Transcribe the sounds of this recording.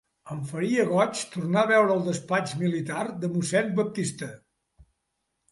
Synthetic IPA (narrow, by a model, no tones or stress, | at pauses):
əɱfəɾiəɣɔt͡ʃt̪urnaβɛwɾəːlˠd̪əspat͡ʃmilit̪aɾd̪əmusɛnbəp̚t̪ist̪ə